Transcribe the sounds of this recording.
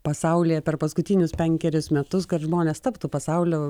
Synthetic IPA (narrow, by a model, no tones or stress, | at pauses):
pɐsɐʊlʲɪjɛpʲɛrpɐskʊt̪ʲɪnʲʊspʲɛŋʲkʲɛɾʲʊsmʲɛt̪ʊskɐt̪ʒmoːnʲeːst̪ɐpt̪uːpɐsɐʊlʲoː